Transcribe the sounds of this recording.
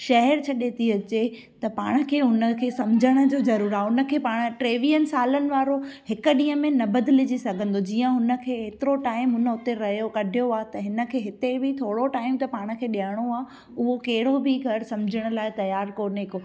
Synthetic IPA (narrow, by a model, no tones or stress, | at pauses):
ʃɐɦɛɾt͡ɕʰɐɗet̪ʰiɐt͡ɕe | t̪ɐpaːɽ̃ə̆kʰeːɦʊnə̆kʰeːsɐmd͡ʑʱəɽ̃ə̆d͡ʑoːzɐɾuːɾaːʊnə̆kʰeːpaːɽ̃ə̆ʈɾeːʋijənɪ̆saːlənɪ̆ʋaːɾohɪkʊ̆ɗĩːɦə̃mẽnɐbɐd̪ɪlɪd͡ʑisɐɡʱə̃nd̪od͡ʑiːə̃ɦʊnə̆kʰeːɦeːt̪ɪɾoʈaːɪmɦʊnəʊt̪eɾɐɦijokɐɖʱijoaːt̪ɐɦɪnə̆kʰeːɦɪt̪ebʱɪt̪ʰoːɽoʈaːɪmt̪ɐpaːɽ̃ə̆kʰeːɗijəɽ̃oaː | ʊɦokeɦɪɽobʱɪɡʱɐɾsɐ̃md͡ʑʱəɽ̃ə̆laːɪt̪ɐjaːɾkoːnːko